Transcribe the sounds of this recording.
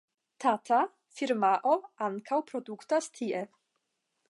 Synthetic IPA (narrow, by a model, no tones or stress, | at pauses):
t̪ʰat̪ʰa | fiɾmaʔɔankʰawpɾɔd̪ukt̪ast̪ʰiʔɛ